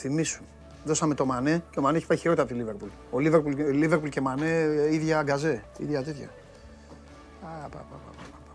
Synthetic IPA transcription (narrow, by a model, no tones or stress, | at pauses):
θimisun | ðo̞sɐme̞t̪o̞maneceomaneeçi̥pɐjiçiɾo̞t̪eɐpt̪iliveɾpul | oliveɾpulliveɾpulcemaneiðʝɐɡɐze̞ḭðʝɐt̪et̪çɐ̰ | ɐpɐ̰pa̰pa̰pɐpɐp